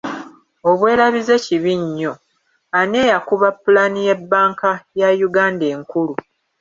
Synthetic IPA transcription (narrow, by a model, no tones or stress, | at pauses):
oβwe̞ːɾaβize̞ciβiɲːo̞ | ane̞ːjakuβapːulanije̞bːaːŋkajajuɡaːnde̞ːŋkulu